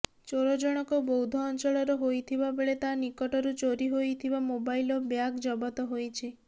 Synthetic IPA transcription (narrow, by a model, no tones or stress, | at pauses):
t͡ʃoɾɔd͡ʒɔɽ̃ɔkɔbowd̪ʱɔːnt͡ʃɔɭɔɾɔɦojt̪ʰibabeɭet̪anikɔʈɔɾut͡ʃoɾiɦojt̪ʰibamobajlɔbjakd͡ʒɔbɔt̪ɔɦojt͡ʃʰi